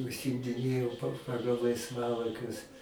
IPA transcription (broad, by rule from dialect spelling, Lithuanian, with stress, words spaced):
ʊʃʲsʲɪmʲdʲɪˈnʲeːjɛʊ pɐ ˈpɑːɡɐlˠ lˠɐɪsˈʋɑːlˠɐɪkʲʊs